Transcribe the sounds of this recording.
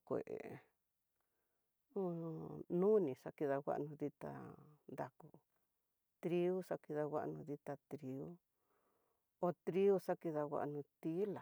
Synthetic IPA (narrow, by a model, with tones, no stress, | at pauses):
kʷḛ˨ʔḛ˨ | õ˦˧nũ˦nĩ˨ʂa˦ki˧ða˧ɡa̰˦ʔnũ˧ði˧t̪a̰˧nd̪a˨˧ku˧ | t̪ɾi˧u˦ʂa˦ki˧ða˧wʷa̰˦ʔnũ˧ði˧t̪a˧t̪ɾi˧u˦ | o˧t̪ɾi˦u˦sa˦ki˧ða˧ɣa̰˧ʔnũ˧t̪i˦la˨